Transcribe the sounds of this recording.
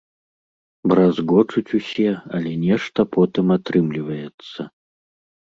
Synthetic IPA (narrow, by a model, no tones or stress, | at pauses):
bɾazɣɔt͡ʂut͡sʲusʲɛɐlʲɛnʲɛʂt̪ɐpɔt̪ɨmat̪ɾɨmlʲivɐjɛt̪sːɐ